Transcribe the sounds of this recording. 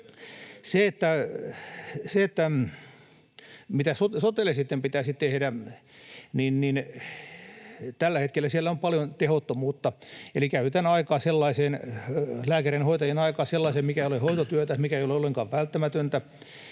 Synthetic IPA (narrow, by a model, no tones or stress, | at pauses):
seet̪ːæ | seet̪ːæ | mit̪æsot̪sot̪elesit̪ːempit̪æsit̪ehdæ | ninnin | t̪ælːæhet̪kelːæsielːæompɑljont̪ehot̪ːomuːt̪ːɑelikæyt̪ænɑikɑːselːɑiseːnlæːkærenhoit̪ɑjenɑikɑːselːɑisemmikæeiolehoit̪ot̪yøt̪æmikæeijoleolːeŋkɑːʋʋælt̪ːæmæt̪ønt̪æ